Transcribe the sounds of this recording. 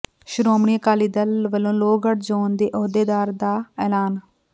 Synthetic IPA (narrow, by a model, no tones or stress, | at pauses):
ʃʊɾoːmɳiːkaːliːd̪əlʋəlːõːloːɡəʈd͡ʒoːnd̪eːʔoːd̪eːd̪aːɾd̪aːɛːlaːn